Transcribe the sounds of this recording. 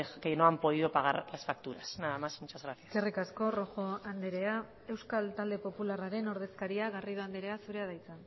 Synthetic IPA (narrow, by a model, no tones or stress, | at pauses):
ekenoampo̞ð̞iðo̞paɣ̞aɾlasfak̚t̪uɾasnaðamasmut͡ʃazɣɾaθjaserikasko̞ro̞xo̞and̪eɾe̞a | e̞wskalt̪ald̪e̞po̞pularaɾe̞no̞ɾð̞e̞skaɾiaɣarið̞o̞and̪eɾe̞asuɾe̞aðajt͡san